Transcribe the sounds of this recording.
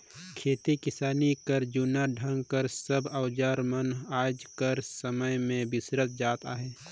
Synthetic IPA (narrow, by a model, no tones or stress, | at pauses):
kʰeːt̪ikɪsaːnikəɾd͡ʒunaɖʱə̃ŋɡkəɾsəbəʊd͡ʒaːɾmənaːd͡ʒkəɾsəməjmẽbɪsɾət̪̚d͡ʒaːt̪aɦɛː